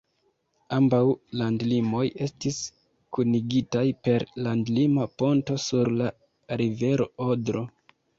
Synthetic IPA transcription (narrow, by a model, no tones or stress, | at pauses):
ambawlandlimo̞je̞stis | kuniɡitajpe̞ɾlandlimapo̞nto̞suɾla | ɾive̞ɾo̞odɾo̞